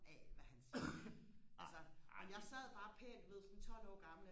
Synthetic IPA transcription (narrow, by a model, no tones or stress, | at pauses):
ɛʋæhæns | ʔælsɐmenjɑ̈ɪsɛð̞̰ˠb̥ɑ̈ːpʰḛːnd̥uʋe̝ð̞̰ˠsɒ̽nt͡sʰɒ̽l̰ɒ̰ːɡ̥ɑ̈ml̩